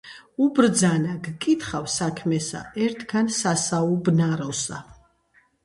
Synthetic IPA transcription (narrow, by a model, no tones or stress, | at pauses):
ubɾd̪zanaɡkʼit̪ʰχawsakʰmɛsa̰ɛɾt̪ʰɡansasaubnaɾɔsa̰